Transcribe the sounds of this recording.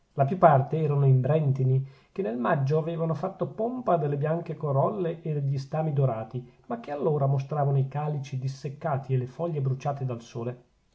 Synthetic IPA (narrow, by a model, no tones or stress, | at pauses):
lapjupːart̪eɛːɾanoimbɾɛnt̪ini | k̟enːelmad͡ʒːoaveːvanofat̪ːopompad̪elːebjaŋkekoɾɔlːeʔed̪eʎːist̪aːmid̪oɾaːt̪imak̟ːealːoːɾamos̬t̪ɾaːvanoikaːlit͡ʃid̪isːekːaːt̪ielefɔʎːebɾut͡ʃaːt̪ed̪alsoːle